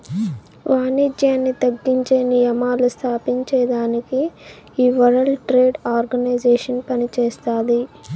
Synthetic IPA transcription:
ʋaːniːd͡ʒjaːnːit̪ɐɡːiɲt͡ʃeːnijɐmaːlust̪ʰaːpiɲt͡ʃɛːd̪aːnikiː | ʋɐɾɐlʈɾeːɖaːɾɡɐnɐjd͡ʒeːʂɐnpɐnit͡ʃɛːst̪aːd̪i

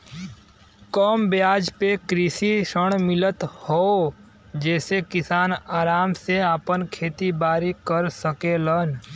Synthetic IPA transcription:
kɔːmbjaːd͡ʒpekɾɪsiʃəɽ̃mɪlət̪hoː | d͡ʒɛːsekɪsaːnaːɾaːmseaːpənkʰeːt̪ibaːɾikəɾsəkeːlən

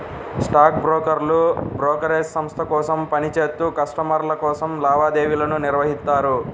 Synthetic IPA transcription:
sʈaːkbɾoːkɐɾlubɾɔːkɐɾeːsːɐmst̪ʰɐkɔːsɐmpɐnit͡ʃeːt̪ːuːkɐʂʈɐmɐɾlɐkɔːsɐmlaːʋaːd̪eːʋilɐnuniɾʋɐɦist̪ːaːɾu

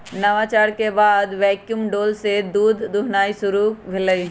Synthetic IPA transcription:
nɐʋat͡ʃaːɾkebaːd̪ʋɛːkjumɖoːlsed̪uːd̪ʱːuɦnaːisʊɾubʱɪləi

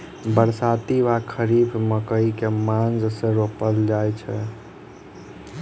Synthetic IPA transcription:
bəɾsat̪iʋakʰəɾibməkəikemãnd͡ʒsẽɾopəld͡ʒajt͡ʃʰɛ

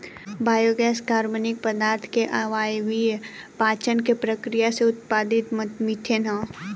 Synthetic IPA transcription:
baːjoɡɛːskaːɾmənɪk̚pəd̪aːɾt̪ʰkeʔaʋaːjʋi | paːt͡ʃənkepɾəkɾijaseʊt̪̚paːd̪ɪt̪mɪt̪ʰenã

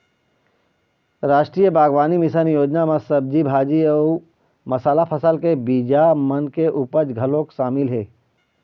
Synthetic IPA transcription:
ɾaːʃʈɾiːjəbaːɡʋaːnimɪsənjoːd͡ʒnamãsɐb̚d͡ʒibʱaːd͡ʒiəː | mɐsaːlapʰəsəlkebiːd͡ʒamɐnkeʔupəɾd͡ʒɡʱɐlõkʃaːmɪlɦɛː

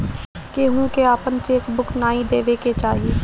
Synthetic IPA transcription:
keɦũːkeaːpənt͡ʃeːkbʊkʰnaːĩd̪eːʋeket͡ʃaːɦieː

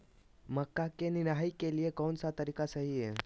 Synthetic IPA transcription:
məkːakenɪɾɦaikeliekoːnsat̪əɾikasəɦiɦe

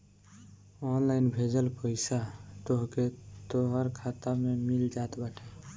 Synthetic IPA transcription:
ɔnlainbʱed͡ʒəlpəɪsat̪oɦket̪oɦəɾkʰat̪amemild͡ʒat̪bəʈʰe

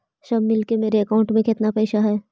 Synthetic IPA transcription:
sɐbmɪlkemeːɾeɐkaʊ̃ɳʈmẽkɪt̪napɛːʃaɦɛː

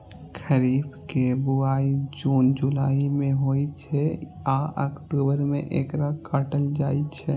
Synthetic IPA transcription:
kʰəɾibkebuaid͡ʒund͡ʒulaimeɦojt͡ʃʰɛaə̰kʈubəɾmeʔekɾakəʈəld͡ʒajt͡ʃʰɛ

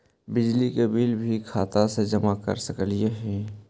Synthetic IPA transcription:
bɪd͡ʒlikebilbʱikʰaːt̪ased͡ʒəmakə̰ɾsəkəlijeɦɛ̃

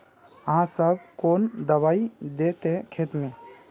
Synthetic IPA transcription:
əɦãsəb̚koːnd̪əwaːid̪eːt̪ɦẽkʰeːt̪mẽː

